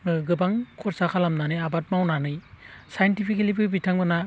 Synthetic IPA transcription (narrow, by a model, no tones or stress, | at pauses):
ɡɯbaŋkʰɔɾsakʰalamnanɯjabat̚mawnanɯjsajntipʰikelipʰɯbitʰaŋbɯna